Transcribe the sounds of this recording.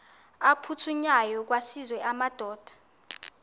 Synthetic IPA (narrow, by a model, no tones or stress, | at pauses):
apʰutʰuɲajɔk̬wasizwɛʔamad̥ʱɔːd̥ʱḁ